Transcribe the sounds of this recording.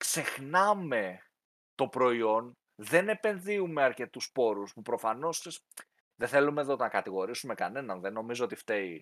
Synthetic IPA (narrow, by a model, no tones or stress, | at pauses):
kse̞xnɐme̞ | t̪o̞pɾo̞io̞n | ðe̞ne̞pe̞nðiume̞ɐɾce̞t̪uspo̞ɾuspupɾo̞fɐno̞ses | ðeθe̞lumeðonɐkɐt̪iɣo̞ɾisume̞kɐne̞nɐnðe̞no̞mizoot̪ift̪e̞i